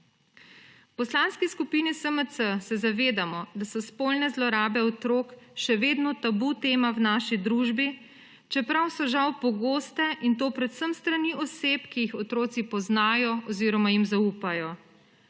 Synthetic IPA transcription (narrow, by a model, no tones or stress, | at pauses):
wpɔslanskiskupinisəməəsɛzaʋeːd̪amɔd̪asɔspolnɛzlɔɾaːbɛɔt̪ɾoːk | ʃɛʋeːd̪nɔt̪abut̪eːmawnaːʃid̪ɾuːʒbi | t͡ʃɛpɾawsɔʒawpɔɡoːst̪ɛʔint̪oːpɾɛt̪səmst̪ɾaniʔɔseːpkijixɔt̪ɾoːt̪sipɔznaːjɔɔziːɾɔmajimzauːpajɔ